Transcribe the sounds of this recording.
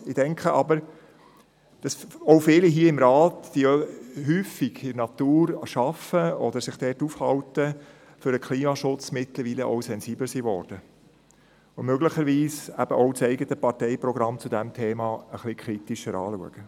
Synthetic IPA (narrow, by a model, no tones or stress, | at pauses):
ɪdɛŋkχəʔɑbəɾ | d̥ɑsɔʊfɪːliɦiəɪmɾɑːtd̥ihyːfiɡ̥ɪnɑt̪uːɾʃɑfəɔd̪əɾsɪχd̥ɛtufhɑwtə | fʏɾəkʰliːmɑʃʊt͡smɪtləɾʋiːləʔɔ̰wsɛnziːbləɾsiʋɔɾd̥ə | ʊmøɡləχəɾʋiːsæb̥əʔɔʊt͡sɛɪɡət̪əpɑtɛɪprɔɡɾɑmt͡sudɛmtʰeːmɑːəχlikʰχɾit̪iʃəɾɑ̰ːluəɡ̥ə